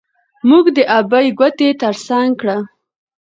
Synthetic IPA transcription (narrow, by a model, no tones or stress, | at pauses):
muɡd̪əʔabajɡwat̪et̪əɾsaŋɡkɽa